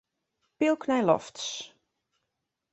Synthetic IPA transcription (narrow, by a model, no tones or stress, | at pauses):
pilˠkʰnɛjlɔ̰fts